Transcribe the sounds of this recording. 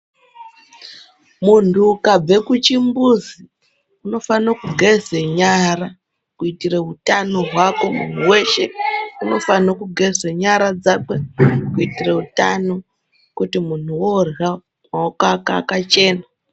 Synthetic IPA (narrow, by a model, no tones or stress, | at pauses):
muntukab͡ve̞kut͡ʃimbuzi | uno̞fanokuɡʱezeɲara | kuitireɦutanoɦwako̞mṵn̤uwe̞ʃe̞uno̞fanokuɡʱe̞zeɲaɾad͡zake̞kuitireuta̰no̞ | kutimun̤uwora | maokaka̰kat͡ʃe̞ːna